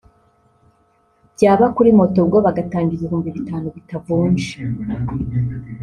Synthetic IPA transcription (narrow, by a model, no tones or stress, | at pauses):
bɟaːβakuɾimo̞to̞bɡo̞βaɡataːɲɟizihuːmbiβitaːnuβitavuːnʃi̥